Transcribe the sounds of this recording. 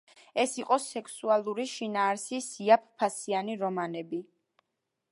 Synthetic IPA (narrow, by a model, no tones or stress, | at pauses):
ɛsiqʼɔsɛkʰsualˠuɾiʃinaːɾsisiap̚ʰpʰasianiɾɔmanɛbi